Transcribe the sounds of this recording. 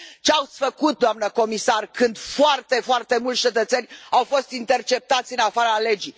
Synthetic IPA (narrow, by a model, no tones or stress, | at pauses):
t͡ʃeawt̪sʲfəkut̪̚d̪oamnəko̞misarkɨnd̪foart̪e̞foart̪e̞mult̪t͡ʃe̞t̪ət̪se̞nʲawfo̞st̪int̪e̞rt͡ʃe̞p̚t̪at̪sʲɨnafaɾəle̞d͡ʒi